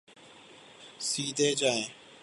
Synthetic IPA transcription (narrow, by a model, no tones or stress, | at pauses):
siːd̪ʱeːd͡ʒaːẽː